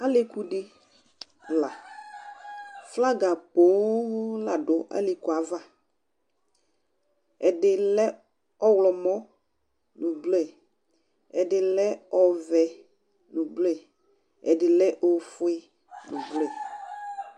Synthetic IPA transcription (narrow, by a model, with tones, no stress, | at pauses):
a˦lɪ˦ku˦ɖɪ˦ | la˨ | fla˦ɡa˨po˨˦la˨ɖʊ˨˦ʔa̰˦li˨ku˨a˨˦va˦ | ɛ˨dɪ˨lɛ˦ | ɔ˦wlɔ˨mɔ̃˦ | nʊ̃˨blɛ˦˨ | ɛ˨dɪ˨lɛ˦ɔ˨vɛ˨ | nũ˨blɛ˨ | ɛ̰˨dɪ˨lɛ˦ʔo˨fʊ˦ɪ˦ | nʊ̃˨blɛ˨